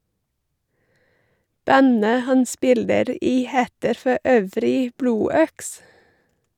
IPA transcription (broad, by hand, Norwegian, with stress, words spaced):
ˈbænə ˈhɑn ˈspɪləɾ ˈiː ˈheːtəɾ fɔˈøːʋɾɪ ˈbluːˌœks